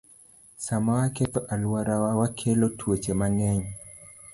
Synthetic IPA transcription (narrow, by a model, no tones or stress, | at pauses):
samawaket̪ɔʔalwaɾawawakʰelotʰwet͡ʃemaŋɛɲ